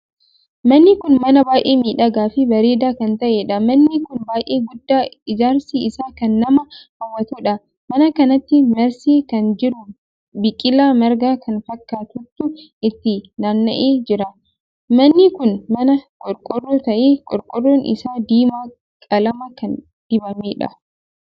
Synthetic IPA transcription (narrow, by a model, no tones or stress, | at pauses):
mɐnːɪkʊnmɐnɐbaːʔeːmiːᶑɐɡaːfɪbɐɾe̞ːd̪aːkɐnt̪ɐʔeːᶑɐmɐnːɪkʊnbaːjʔeːɡʊd̪ːaːɪd͡ʒaːɾsiːɪsaːkɐnːɐmɐhɐwːɐt̪uːᶑɐ | mɐnɐkɐnɐt̪ːɪmɐɾsiːkɐnd͡ʒɪɾʊ | bɪkʼɪlaːmɐɾɡaːkɐnfɐkːaːt̪ʊt̪ːʊʔɪt̪ːɪnaːnːɐ̰ʔeːd͡ʒɪɾɐ | mɐnːɪkʊnmɐnɐkʼɔɾkʼʊrːoːt̪ɐʔeːkʼɔɾkʼʊrːoːnʔɪ̰saːd̪iːmaː | kʼɐlɐmɐkɐn | d̪̥ɪbɐmeːᶑɐ̰